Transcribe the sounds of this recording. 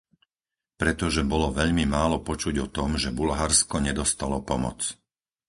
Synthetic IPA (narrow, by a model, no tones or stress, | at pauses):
pɾɛt̪ɔʒɛbɔlɔʋɛʎmimaːlɔpɔt͡ʃuɟɔt̪ɔmʒɛbulɦaɾskɔɲɛd̪ɔst̪alɔpɔmɔ̰t͡s